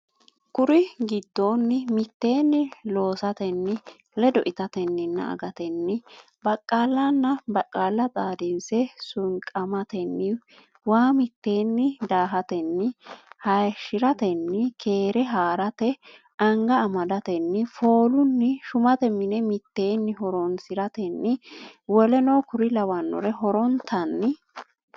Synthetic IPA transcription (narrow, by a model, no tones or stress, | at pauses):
kʊɾɪɡɪd̪ːoːnːɪmɪt̪ːe̞ːnːɪlo̞ːsɐt̪ɛnːɪ | lɛd̪ɔʔɪt̪ɐt̪ɛnːɪnːɐ̰ʔɐ̰ɡɐt̪ɛnːɪ | bɐkʼːaːlːɐnːɐbɐkʼːaːlːɐt͡s̪ʼaːd̪ɪnsɛsʊŋkʼɐmɐt̪ɛnːɪ | waːmɪt̪ːe̞ːnːɪd̪aːɦɐt̪ɛnːɪhɐjʃɪɾɐt̪ɛnːɪkʰe̞ːɾɛɦaːɾɐt̪ɛ | ɐŋɡɐːmɐd̪ɐt̪ɛnːɪfo̞ːlʊnːɪʃʊmɐt̪ɛmɪnɛmɪt̪ːe̞ːnːɪɦɔɾɔnsɪɾɐt̪ɛnːɪwɔlɛnoːkʊɾɪlɐwɐnːɔ̰ɾɛɦɔɾɔnt̪ʰɐnːɪ